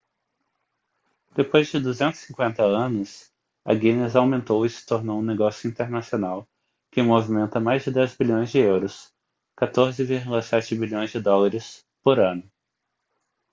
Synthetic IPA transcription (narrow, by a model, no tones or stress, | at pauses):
d̪̥epojzd͡ʒɪd̪uzẽnt̪ʊz̥sĩŋkwẽnt̪ɐɐ̃nʊs | ɐ̰ɡĩnezawmẽnt̪owɪsɪ̥t̪oɾnowũneɡɔsjʊĩnt̪eɾnasionaw | kɪmovimẽnt̪ɐmajzd͡ʒɪd̪ɛzbiʎõj̃zd͡ʒɪewɾʊs | kat̪oɾzɪviɾɡulɐsɛt͡ʃɪbiʎõj̃zd͡ʒɪd̪ɔlaɾɪs | poɾɐ̃nʊ